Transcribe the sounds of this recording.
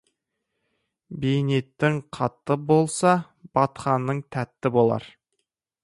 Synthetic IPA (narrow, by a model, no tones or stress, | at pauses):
bejne̞t̪ːɪŋqʰɑt̪ːəbo̞lˠsɑ | b̥ɑt̪χɑnːəɴt̪ʰæt̪ːɪbo̞lˠɑ̰ɾ